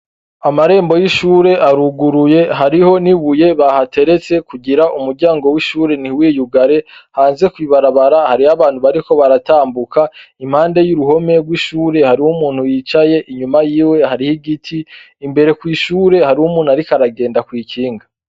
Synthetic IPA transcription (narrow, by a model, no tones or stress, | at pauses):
amaɾe̞ːmbo̞jiʃuːɾe̞ʔaɾuɡuɾuje̞ɦaɾiho̞niβuje̞βahate̞ɾet͡se̞kuɟiɾaʔumuɾɟaːŋɡo̞wiʃuːɾe̞niwiːjuɡaɾe̞haːnze̞kwiβaɾaβaɾahaɾihaβaːnhuβaɾiko̞βaɾataːmbukaim̥haːnde̞juɾuɦo̞me̞ɾwiʃuːɾe̞haɾiwumuːnhujiːt͡ʃaje̞ʔiɲumajiːwe̞haɾihiɡitʰiː | mbe̞ɾe̞kwiːʃuːɾe̞haɾiwumuːnuaɾikaɾaɡe̞ːndakwiːciːŋɡa